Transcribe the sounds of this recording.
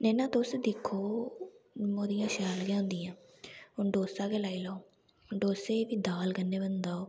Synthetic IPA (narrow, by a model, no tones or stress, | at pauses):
nɛːnãːt̪oːseːd̪ɪkʰːoː | moːd̪ijãːʃaːlɡãːʊ̃nd̪iːãː | ɦʊnɖoːsaːkeːlaːiːlaoː | ʊɖoːseːʋiːd̪aːlɡənːeːbənd̪aːoː